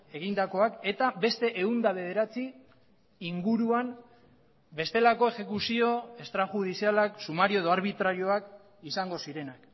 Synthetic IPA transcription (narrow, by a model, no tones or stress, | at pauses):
e̞ɣ̞ind̪ako̞ake̞t̪abe̞st̪e̞ʔeund̪aβ̞e̞ð̞e̞ɾat͡si | iŋɡuɾuam | be̞st̪e̞lako̞e̞xe̞kusio̞e̞st̪ɾaxuð̞isialaksumaɾioðo̞aɾβ̞it̪ɾaɾio̞ak | isaŋɡo̞siɾe̞nak